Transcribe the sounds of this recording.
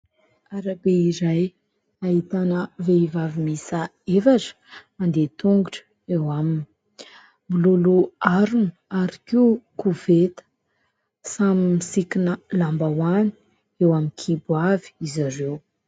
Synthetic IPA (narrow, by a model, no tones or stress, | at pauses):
aɾabeiɾaj | ait̪anəveivavimisa | efaʈ͡ʂə̥mand̪et̪uŋɡuʈ͡ʂə̥ | ewamini | miluluaɾunuaɾikiukuvet̪ə̥ | samimisikinəlambawani̥ | ewamikʰibwavi̥izaɾew